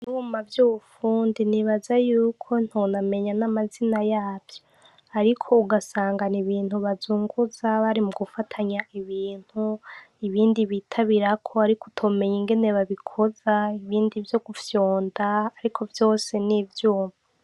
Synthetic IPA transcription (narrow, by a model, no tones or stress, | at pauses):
iuːmavjuβufuːndiniβazajuːkʰo̞n̥honame̞ɲanamazinajaːvjo | aɾikʰo̞uɡasaːŋɡaniβiːn̥huβazuːŋɡuzaβaɾimuɡufatʰaɲaiβiːn̥hu | iβiːndiβitʰaβiɾakʰo̞aɾikutʰome̞ɲiŋɡe̞ne̞βaβikʰo̞zaiβiːndivjo̞ɡufjoːndaaɾikʰo̞vjo̞ːse̞nivjuːma